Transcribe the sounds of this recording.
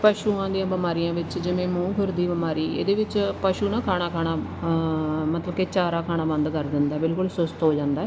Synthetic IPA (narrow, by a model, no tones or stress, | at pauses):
pəʃuːãːd̪ijãːbəmaːɾijãːʋɪt͡ʃd͡ʒɪʋẽːmũːɡʊɾd̪iːbmaːɾiːḛːd̪eːʋɪt͡ʃpəʃuːnãːkʰaːɽ̃aːkʰaːɽaː | mət̪ləbkeːt͡ʃaːɾaːkʰaːnaːbə̃nd̪kəɾd̪ɪnd̪aːbɪlkʊlsʊst̪ɦoːd͡ʒãːnd̪aːɦɛː